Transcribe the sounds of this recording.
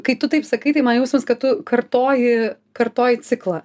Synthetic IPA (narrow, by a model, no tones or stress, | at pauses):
kɐɪt̪ʊt̪ɐɪpsɐkɐɪt̪ɐɪmɐnjɛʊsʲɪmskɐt̪̚t̪ʊkɐrt̪oːjɪ | kɐrt̪oːjɪt͡s̪ʲɪklˠɐ